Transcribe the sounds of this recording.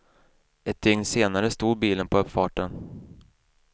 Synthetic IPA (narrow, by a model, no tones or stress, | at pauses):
ɛt̪̚d̪ʏŋnseːnaɾəst̪uːd̪̚biːlənpʰɔœpːfɑːʈən